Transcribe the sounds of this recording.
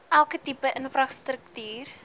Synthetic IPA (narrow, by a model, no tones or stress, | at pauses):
ʔælˠkətipəʔənfrɐstrəktyːr